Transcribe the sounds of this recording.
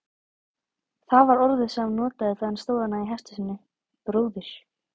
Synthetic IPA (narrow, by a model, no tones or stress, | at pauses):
θaðvaɾɔɾðɪðsɛmnɔːt̪aðɪθaðanst̪oːwðanːaiɦɛst̪ʏsɪnːɪ | pɾoːwðɪɾ̥